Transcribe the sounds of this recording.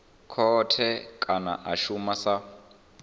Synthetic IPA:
kʰɔtʰɛkʼana̰ʔaʃumasa

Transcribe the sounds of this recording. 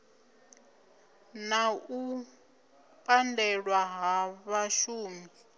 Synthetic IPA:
nau | pʼandɛɺwaɦaβaʃuːmi

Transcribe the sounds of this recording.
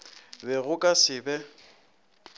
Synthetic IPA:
bɛɣʊkʼasɪbɛ

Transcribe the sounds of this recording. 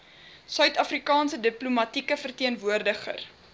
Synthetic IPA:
sœɥtɐfrikɑːnsədiplumɐtikəfərtiənvuərdəχə̰r

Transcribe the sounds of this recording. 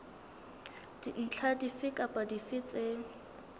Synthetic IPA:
d̥in̩t͡ɬʰadifɪkʼapʼadifɪt͡sʼe

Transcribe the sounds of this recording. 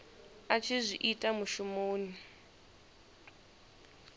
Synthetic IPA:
at͡ʃʰizʷiʔitʼamuʃumoːni

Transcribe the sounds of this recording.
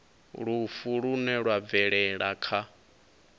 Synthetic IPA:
ɺufuɺunɛɺwab̪vɛɺɛɺakʰa

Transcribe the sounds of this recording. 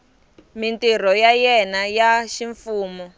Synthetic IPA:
mintir̤ɔjajɛnajaʃiɱfuːmɔ

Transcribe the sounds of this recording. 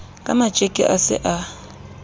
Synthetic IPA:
kʼa̰mḁt͡ʃʼekʼɛ̰ʔasɪ̰ʔa

